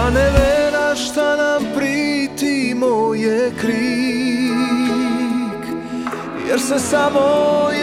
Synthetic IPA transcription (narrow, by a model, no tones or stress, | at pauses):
anɛvɛɾaʃt̪anampɾit̪imojɛkɾi | k | jɛ̰ɾsɛsamoj